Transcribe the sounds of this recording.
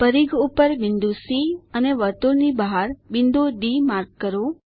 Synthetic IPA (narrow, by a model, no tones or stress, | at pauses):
pəɾiɡupəɾʋɪnd̪usiəneʋəɾt̪uɾnibaɦaɾʋɪnd̪uɖimaɾkkəɾo